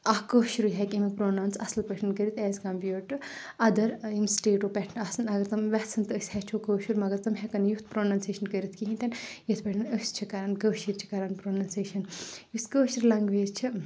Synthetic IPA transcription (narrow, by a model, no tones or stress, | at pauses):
ɐkəːʃɾuɦɛkʲimipɾoːnaːwnsɐslpɐʈʰɐnkəɾit̪ʰɛːzkɐmpjuːʈɨ | ɐd̪ɐɾimsʈeːʈoːpɛʈʰnɐsɨnɐɡɐɾt̪ɐmʋɛht͡sʰɨnt̪ɨəsʲhɛt͡ʃʰoːkəːʃuɾmɐɡɐɾt̪ɐmɦɛkɐnjut̪̚ʰpɾoːnaːnseːʃɐnkəɾit̪ʰkiɦĩnt̪ɐnjɐt̪ʰpɐʈʰɨnəst͡ʃʰikɐɾaːnkəːʃiɾt͡ʃʰi̥kɐɾaːnpɾoːnɐnseːʃɐnjust̪kəːʃiɾlɐŋɡʋeːzt͡ʃʰi